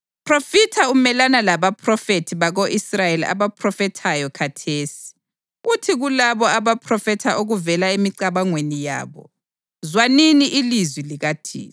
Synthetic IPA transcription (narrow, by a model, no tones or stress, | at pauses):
pʰrofitʰaumɛlanalaβapʰrɔfetʰiβaɣoʔisrajelia̰βapʰrɔfɛtʰajɔkʰatʰeːsi̥ | utʰiɣulaβɔaβapʰrɔfɛtʰaʔoɣuvɛlaemiǀaβaŋwenija̰ːβɔ̰ | zwaniniʔilizwiliɣatʰḭː